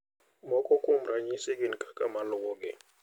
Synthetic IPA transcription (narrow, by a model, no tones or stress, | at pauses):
mɔkʼɔkʼum̩raɲisekinkʰʼḁkʼamalɔkɔk̬ɛ